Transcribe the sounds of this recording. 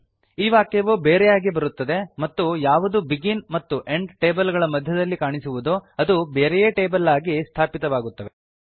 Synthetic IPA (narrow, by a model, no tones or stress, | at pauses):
iːʋaːkeʋubeːɾɛjaːɡibɐɾut̪ːɐd̪e̞mɐt̪ːujaːʋud̪ubiɡinmɐt̪ːuʔe̞ɳɖʈeːbɐlɡɐɭɐmɐd̪ʱjɐd̪ɐlːikaːɳisuʋud̪oɐd̪ubeːɾɛjeːʈe̞ːbɐlaːɡist̪ʰaːpit̪ɐʋaːɡut̪ːɐʋe